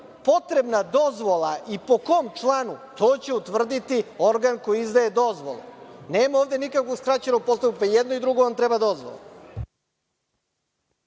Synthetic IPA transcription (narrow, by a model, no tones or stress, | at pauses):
po̞t̪ɾe̞bnad̪o̞zʋo̞lˠaʔipo̞ko̞ːmt͡ʂlˠanut̪o̞ːt͡ɕeut̪ʋr̩d̪it̪io̞ɾɡanko̞jiizd̪aje̞d̪o̞zʋo̞̰lˠḛneːmao̞ːʋd̪e̞nikakʋoskɾat͡ɕenopost̪akupajed̪noid̪ɾuɡoamt̪ɾebad̪o̞zʋo̰lˠo̰